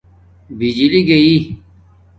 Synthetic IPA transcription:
bid͡ʑiliɡəiː

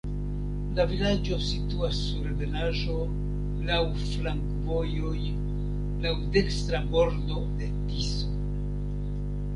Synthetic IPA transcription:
lavilad͡ʒo̞situasːuɾve̞naʒo̞ | law | flaŋkvo̞jo̞j | lawde̞kstɾamo̞ɾdo̞de̞tiso

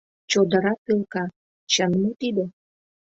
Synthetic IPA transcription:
t͡ɕod̪ə̆ɾɑkelkɑ | t͡ɕənmot̪id̪e

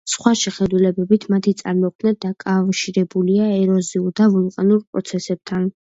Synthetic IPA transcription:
sχwaʃɛχɛd̪ulɛbɛbit̪ʰmat̪ʰit̪sʼa̰ɾmɔqʰmnad̪akʼavʃiɾɛbuliaɛɾɔziuɾd̪avulˠqʼanuɾpʼɾɔ̰t̪sʰɛsɛb̚t̪ʰan

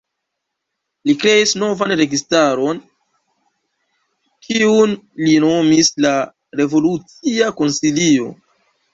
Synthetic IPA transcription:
likɾe̞isno̞vanɾe̞ɡistaɾo̞n | kiun | lino̞misla | ɾe̞vo̞lut͡siako̞nsilio̞̰

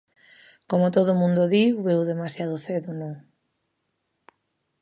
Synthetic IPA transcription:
komʊt̪oðʊmũnd̪oðiwβewðemasjaðʊθeðʊnõŋ

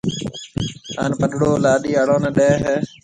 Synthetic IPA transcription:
a̰ːnpəɗɽoːlaːɗiːəɽoːneːɗeːɦeː

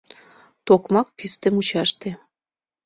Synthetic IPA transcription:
t̪okmɑk̚pist̪ĕmut͡ɕɑʃt̪e

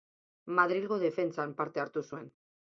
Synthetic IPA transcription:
maðɾilɣoð̞e̞fe̞nt͡sampaɾt̪e̞aɾt̪usue̞n

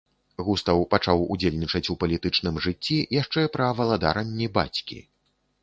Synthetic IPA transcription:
ɣust̪ɐwpat͡ʂawud͡zʲelʲnʲit͡ʂɐt͡sʲupɐlʲit̪ɨt͡ʂnɨmʐɨt͡sʲːijaʂt͡ʂɛpɾɐvɐlˠad̪a̰ɾɐnʲːiba̰t͡sʲkʲḭ

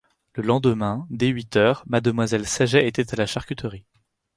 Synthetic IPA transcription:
ləlɑ̃d̪əmɛ̃d̪eɥit̪œːʁmad̪əmwazɛlsaʒɛet̪ɛt̪alaʃaʁkʲyt̪əʁi

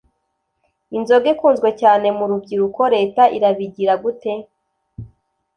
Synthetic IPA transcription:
inzo̞ɡekuːnzɡwe̞caːne̞muɾubɟiɾuko̞ɾe̞ːtaʔḭɾaβiɟiɾaɡute̞

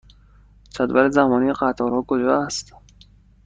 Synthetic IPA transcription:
t͡ʃʰæd̪væɾezæmɒːniːeɢæt̪ʰɒːɾhɒːkʰod͡ʒɒːæst̪

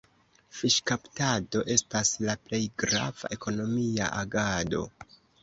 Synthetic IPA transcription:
fiʃkaptado̞ʔe̞staslaple̞jɡɾa̰v̥a̰ʔe̞ko̞no̞mia̰ʔaɡado̞̰

